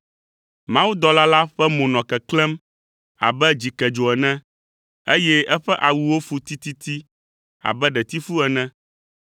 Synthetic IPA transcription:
mã˦wu˦d̪ɔ˦la˦la˦ɸɛ˦mõ˨nɔ̃˨kɛ˨klɛ˦m | a̰˨bɛ˦d͡ʑi˨kɛ˨d͡ʒo˨ɛ˨nɛ̃˦ | e˦jɛ˦ɛ˦ɸɛ˦ʔa˨wu˨wo˦fu˦t̪i˦t̪i˦t̪i˦ | a̰˨bɛ˦ɖɛ˨t̪i˦fu˦ɛ˨nɛ̃˦

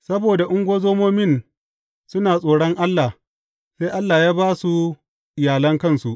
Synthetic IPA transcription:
sɐ˦boː˨da˨ʔʊ˦ŋɡʷoː˦zoː˦moː˦mɪ˦˨n | sʊ˦naː˨sʼoː˨ɽɔ˦ŋʔa˦lːa˨ | se˦ʔa˦lːaː˨jaː˦baː˦su˦ | ʔɪ˨jaː˨lɐ˦ŋkɐ˦nsu˨ʔ

